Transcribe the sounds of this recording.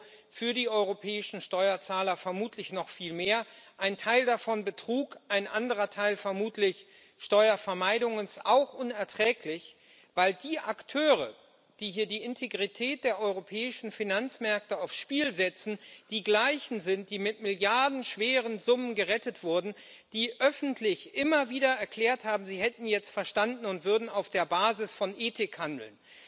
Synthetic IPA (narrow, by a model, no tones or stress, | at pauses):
fyːɐdiːʔɔʏʁopʰɛːɪʃn̩ʃtɔʏɐt͡saːlɐfɛɐmuːtʰlɪçnɔχfiːlmeːɐʔaɪntʰaɪldafɔnbətʁ̥uːkʔaɪnʔandəʁɐtʰaɪlfɛɐmuːtʰlɪç | ʃtɔʏɐfɛɐmaɪdʊŋənsʔaʊxʔʊnɛɐtʁ̥ɛːklɪç | vaɪldiːʔaktʰøːʁə | d̥iːɦiːɐdiːɪntʰeɡʁitʰɛːt̚d̥eːɐʔɔʏʁopʰɛːɪʃn̩finant͡smɛɐk̚təaʊfsʃpiːlzɛt͡sn̩d̥iːɡlaɪçn̩zɪnt̚d̥iːmɪtmɪljaɐdn̩ʃv̥eːʁ̞ənzʊmənɡəʁɛtətv̥ʊɐdn̩ | d̥iːʔœfn̩tʰlɪçʔɪmɐviːdɐɛɐkl̥ɛːɐthaːbm̩ziːɦɛtn̩jɛt͡stfɛɐʃtandn̩ʊntv̥ʏɐdn̩aʊfd̥eːɐbaːzɪsfɔnʔeːtɪkhandl̩n